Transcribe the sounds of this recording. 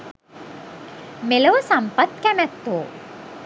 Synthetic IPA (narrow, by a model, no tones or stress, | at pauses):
meləʋəsampat̪kæmæt̪ːoː